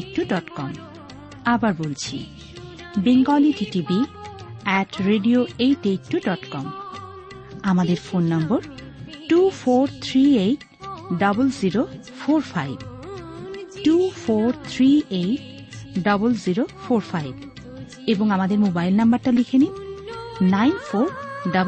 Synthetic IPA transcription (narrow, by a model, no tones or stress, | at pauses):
kʈːuɖɔʈkɔm | abaɾbolt͡ɕʰḭ | biŋɡɔliʈiʈibi | ɛʈɾeɖioejʈek̚ʈːuɖɔʈkɔm | amad̪eɾfonːɔmboɾ | ʈufoɾt̪ʰɾieʈ | ɖabulziɾo | foɾfʰajb | ʈufoɾt̪ʰɾieʈ | ɖɔbolziɾofoɾfajb | eboŋamad̪eɾmobajlnambaɾʈalikʰenim | najnfoɾɖab